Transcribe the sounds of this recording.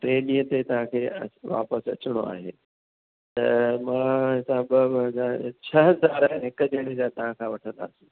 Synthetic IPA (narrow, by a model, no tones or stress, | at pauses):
ʈeːɗĩːə̃t̪et̪ɐʋ̤ãkʰeːɐ̰ʋa̰ːpəsɐ̰t͡ɕɪɽ̃o̰a̰ːɦḛː | t̪ɐ̰mãːɦɪsaːbəɦɐzaːɾt͡ɕʰɐɦɐzaːɾaɦnɦɪkəd͡ʑɐɽ̃ed͡ʑat̪ɐʋ̤ãkʰãʋɐʈʰə̃nd̪a̰ːsĩː